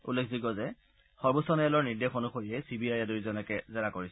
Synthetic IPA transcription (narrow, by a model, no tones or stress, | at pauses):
ṵlːekʰziɡɔzɛ | xɔɹbusɔnɛɛlɔɹniɹdexonuxoɹiɛsibiajaduɹizɔnɛkɛzɛɹakoɹisɛ